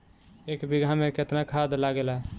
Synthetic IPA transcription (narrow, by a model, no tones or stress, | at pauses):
ekbiɡʱameket̪nakʰad̪laɡelaɦɛ